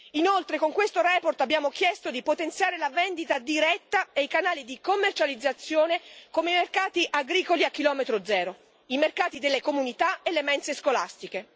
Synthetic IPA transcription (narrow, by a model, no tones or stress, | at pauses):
inolt̪ɾekoŋkwest̪oɾɛːport̪abjaːmokjɛst̪od̪ipot̪ent̪sjaːɾelavɛnd̪it̪ad̪iɾɛt̪ːaejkanaːlid̪ikomːert͡ʃalid̪zːat̪sːjoːnekomejmerkaːt̪iʔaɡɾiːkoliakːilɔːmet̪ɾod̪zɛːɾo | imerkaːt̪id̪elːekomunit̪aelːemɛnseskola̰st̪ike